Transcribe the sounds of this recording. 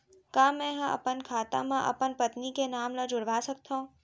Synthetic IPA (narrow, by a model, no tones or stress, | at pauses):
kaːmɛ̃ɦə̃ə̰pənkʰaːt̪ã̰mãʔə̰pənpət̪nikenaːmləd͡ʒʊɽʋaːsək̚t̪ʰõ